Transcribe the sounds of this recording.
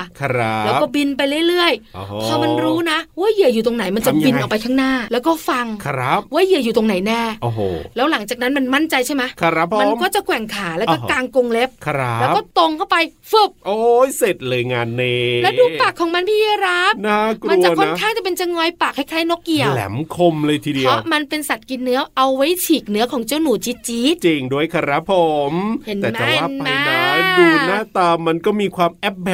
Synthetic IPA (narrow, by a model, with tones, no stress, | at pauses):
lɛ˦kɔː˥˩bi˧np̬a˧jlɯ˥˩əjlɯ˥˩əjo˨t̪ʰaː˧ma˧nɾuː˦˥na˦˥waː˥˩jɯ˧˩əjuː˨˩t̪o˧ŋna˨˩˦jma˧nt͡ɕa˨˩bi˧nʔa˨˩wpa˧jk̪ʰaː˦˥ŋnaː˥˩lɛː˦˥wkɔː˥˩fa˧ŋɾa˦˥p̚waː˥˩jɯ˧˩əjuː˨˩t̪o˧ŋna˨˩˦jnɛː˥˩o˨˩ɦo̰˧˩lɛː˦˥wla˩˦ŋt͡ɕaː˨˩k̚na˦˥nma˧nma˥˩nt͡ɕa˧jt͡ɕʰa˥˩jma˦˥˦ma˧nkɔː˥˩t͡ɕa˨˩kʰwɛ˨˩˦ŋkʰaː˩˦lɛː˦˥wɔː˥˩kaː˧ŋko˧ŋle˦˥p̚ʰɾa˦ɛː˦˥kɔː˥˩t̪o˧ŋkʰa˥˩wpa˧j | fɯ˨˩p̚ʔoː˧jse˨˩t̪̚lɤː˧jŋaː˧nːe˧lɛː˦˥duː˧paː˨˩kʰːɔː˨˩˦ŋma˧npʰiː˥˩ji˧˩ɾa˦˥pnaː˦˥˩kɾma˧nu˧t͡ɕa˨˧kʰːo˥n˦kʰaː˥˩ŋt͡ɕa˨˩pe˧nt͡ɕa˧ŋɔː˧jpaː˨˩k̚ha˥˩jkʰaː˧˥˩jno˦˥k̚ki˧əwlɛ̰˩˦mkʰo˧mlɤː˧jt̪ʰiː˧˩di˧ə˦wʔma˧npe˧nsa˨˩t̪̚ki˧nːɯ˦˥ɐʔa˧wːa˦˥jt͡ɕʰiː˨˩k̚nɯ˦˥ɐkʰɔː˩˦ŋt͡ɕi˥˩əwnuː˩˦t͡ɕi˦˥t̪̚t͡ɕiː˦˥t̪t͡ɕi˧ŋdu˥˩əjkʰa˧ɾa˦˥pʰːo˧˩mhe˨˩˦nɛː˨˦t͡ɕa˨˩˨aː˥˩˨nam˧jnaː˦jduː˧naː˥˩t̪aː˧mːa˧nkɔː˥˩miː˧kʰwaː˧mʔɛ˦˥p̚bɛ˨˩